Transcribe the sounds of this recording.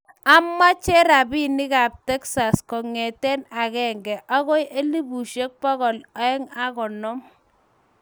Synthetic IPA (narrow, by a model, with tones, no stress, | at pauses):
a˦mːa˦t͡ʃɛ˦ɾa˨bi˦nɪ˦ka˨p̚tɛ˦ksa˨skɔ˨ŋɛ˨tɛ˦na˨kɛ˦ŋɡɛ˨ʔɔ˦ɣɔ˦jʔe˦li˦bu˨ʃe˦k̚pɔ˦ɣɔ˨la˦ɛ˦ŋa˦kɔ˨nɔ˦m